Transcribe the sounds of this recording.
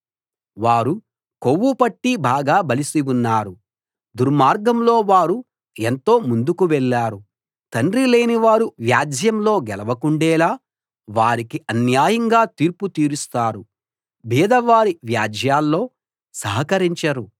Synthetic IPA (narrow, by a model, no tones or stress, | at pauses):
ʋaːɾu | kowːupɐʈːibaːɡaːbɐlisiʋunːaːɾu | d̪uɾmaːɾɡɐmlo̞ːʋaːɾu | ent̪o̞ːmund̪ukuʋɛɭːaːɾu | t̪ɐɳɖɾile̞ːniʋaːɾuʋjaːd͡ʒʱjɐmlo̞ːɡɛlɐʋɐkuɳɖɛːlaː | ʋaːɾikiʔɐnjaːjɐŋɡaːt̪iːɾput̪iːɾust̪aːɾu | biːd̪ɐʋaːɾiʋjaːd͡ʒʱjaːlːo̞ː | sɐɦɐkɐɾiɲt͡ʃɐɾu